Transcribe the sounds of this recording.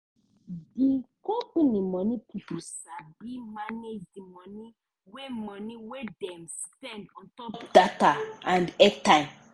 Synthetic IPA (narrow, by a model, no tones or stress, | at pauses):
dikɔ̃ponimɔnipʰipusabimaned͡ʒdimɔ̃ni | wemɔ̃niwedɛms | pɛ̃ndɔ̃ntɔpd̥ataãndɛtãɪ̃m